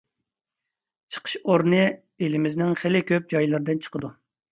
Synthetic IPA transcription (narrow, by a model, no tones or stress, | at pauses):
t͡ʃʰə̥qʰə̥ʃoɾnɨ | elɪmɪznɪŋχɪlɪkʲøp̚d͡ʒɑjlˠɨɾɨd̪ɨnt͡ʃʰə̥qʰəd̪u